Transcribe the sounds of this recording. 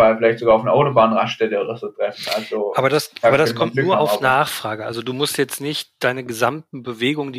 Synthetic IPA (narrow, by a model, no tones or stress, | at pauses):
aɪfɪlaɪçtz̥oɡaːʊfnəɐʔaʊtobaːnʁaʃd̥ɛdəʁɛsətʁ̥ɛfn̩ʔa̰lzoʔaːbɐdasʔaːbɐdaskʰɔmtnuːɐaʊnaːχfʁ̥aːɡəʔa̰lzoduːmʊstjɛt͡stnɪçtd̥aɪnəɡəzamtn̩bəveːɡʊŋəndi